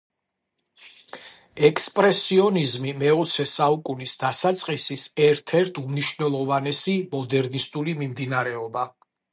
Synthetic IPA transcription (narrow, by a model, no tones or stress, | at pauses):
ɛkspʼɾɛsiɔnizmimɛɔt̪sʰɛsaukʼunisd̪asat̪sʼqʼisisɛɾt̪ʰɛɾt̪ʰumniʃvnɛlˠɔvanɛsimɔd̪ɛɾnist̪ʼulimimd̪inaɾɛɔba